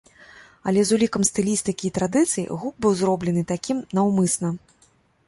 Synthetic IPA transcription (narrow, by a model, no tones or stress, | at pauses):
ɐ̰lʲɛzulʲikɐmst̪ɨlʲist̪ɨkʲiːt̪ɾad̪ɨt̪sɨjḭɣuk̚bɨwzɾɔblʲɛnɨt̪akʲimnɐwmɨsnɐ